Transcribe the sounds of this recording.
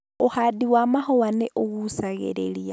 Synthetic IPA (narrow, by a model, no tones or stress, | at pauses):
ohadiwamaxowaneʔoɣusaɣḛɾḛlia